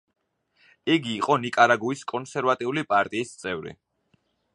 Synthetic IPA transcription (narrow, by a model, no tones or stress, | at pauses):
iɡiːqʼɔnikʼaɾaɡuiskʼɔnsɛɾvat̪ʼiulipʼaɾt̪ʼiːst̪sʼɛvɾḭ